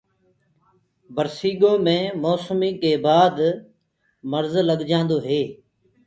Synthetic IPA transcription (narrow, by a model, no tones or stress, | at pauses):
bəɾsiːɠõːmẽːmoːsmiːkeːbaːd̪ | məɾzləɠd͡ʒãːnd̪oːɦeː